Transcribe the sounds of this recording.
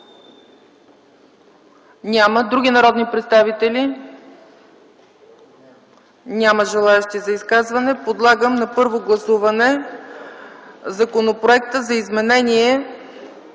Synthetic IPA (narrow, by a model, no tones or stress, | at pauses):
nʲaməd̪ɾuɡʲinɐɾɔd̪nipɾɛt̪st̪avit̪ɛlʲi | nʲaməʒɛlˠaɛʃt̪izɐiskazvɐnɛpod̪lˠaɡəmnɐpɤɾvoɡlˠɐsuvɐnɛ | zɐkonopɾoɛk̚t̪əzɐizmɛnɛniɛ